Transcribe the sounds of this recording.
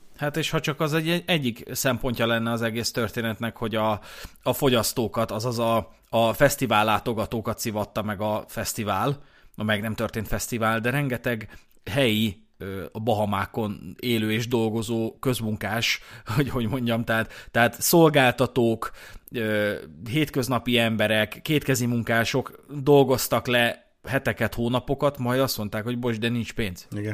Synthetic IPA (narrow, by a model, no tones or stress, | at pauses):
hat̪eːʃhɒt͡ʃɒkɒzɛɟɛɛɟːiksɛmpo̞ɲcɒlɛnːɛɒzɛɡeːst̪ø̞rt̪eːnɛt̪nɛkho̞ɟɒː | fo̞ɟɒst̪oːkɒt̪ɒzɒzɒ | ɒfɛst̪ivaːlːaːt̪o̞ɡɒt̪oːkɒt̪sivɒt̪ːɒmɛɡɒfɛst̪ivaːl | ɒmɛɡnɛmt̪ørt̪eːnt̪fɛst̪ivaːld̪ɛɾɛŋɡɛt̪ɛɡ | ɦɛji | ɒbɒɦɒmaːko̞neːløːeːʒd̪o̞lɡo̞zoːkø̞zmuŋkaːʃhoɟho̞ɟmo̞ɲɟɒmt̪ɛɦat̪ːɛɦaːt̪so̞lɡaːlt̪ɒt̪oːkøːɦeːt̪kø̞znɒpiɛmbɛɾɛkːeːt̪kɛzimuŋkaːʃo̞kd̪o̞lɡo̞st̪ɒklɛ | ɦɛt̪ɛkɛt̪hoːnɒpo̞kɒt̪mɒjd̪ɒst̪mo̞nt̪aːkho̞ɟbo̞ʒd̪ɛnint͡ʃpeːnz̥iɡ